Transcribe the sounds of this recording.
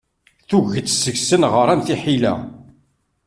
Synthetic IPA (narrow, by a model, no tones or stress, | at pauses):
θuʝət̪ːsəʝsənʁəɾˤænθiħilæ̰